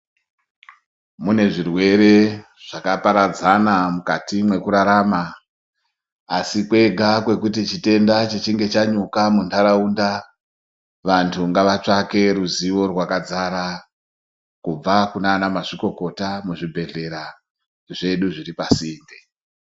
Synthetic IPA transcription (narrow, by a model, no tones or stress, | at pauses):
mune̞ʐirwe̞ɾe̞ | ʐ̥akapaɾad͡zanamukatimwe̞kuɾaɾaːma | sikwe̞ɡʱakwe̞kut̬it͡ʃite̞ndat͡ʃet͡ʃiŋɡe̞t͡ʃaɲukamundaɾaunda | ʋantʰuŋɡaʋat͡ʂake̞ruziʋo̞rwakad͡zaɾa | kub͡vakunaːnamaʐiko̞ko̞tamuʐibʱe̞ɮe̞ɾa | ʐe̞ɗuʐiripasiːnde